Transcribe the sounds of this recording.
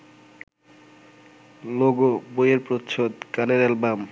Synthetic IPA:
loɡobojeɾpɾot̪ːʃʰod̪kaneɾɛlbam

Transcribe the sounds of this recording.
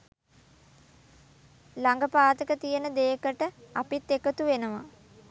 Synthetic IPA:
laŋɡəpaːt̪əkət̪ijənəd̪eːkəʈəapit̪ːekət̪uʋenəʋa

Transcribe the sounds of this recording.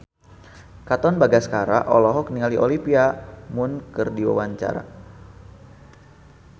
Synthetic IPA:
kat̪ɔnbaɡaskaɾa̰ʔɔlɔɦɔkniŋaliʔɔlipiamʊnkɨrdiwa̰waɲt͡ʃa̰ɾa̰

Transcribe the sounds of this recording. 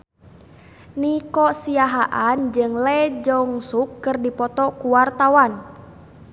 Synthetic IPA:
nikɔsiaɦaʔand͡ʒɨŋlɛd͡ʒɔŋsukːɨrdipɔt̪ɔkuwart̪awan

